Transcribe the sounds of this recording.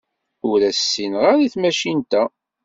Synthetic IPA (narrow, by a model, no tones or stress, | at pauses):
ʊɾæsːinʁaɾiθmæʃint̪æ